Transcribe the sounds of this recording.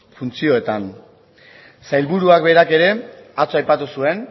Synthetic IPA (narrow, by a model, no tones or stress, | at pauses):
funt͡sio̞e̞t̪an | sajlβuɾuakbe̞ɾake̞ɾe̞at͡soajpat̪usue̞n